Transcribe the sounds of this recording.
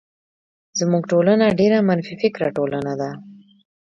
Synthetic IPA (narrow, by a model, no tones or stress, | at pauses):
z̥muɡʈolanaɖeɾamanfifɪkɾaʈolanad̪a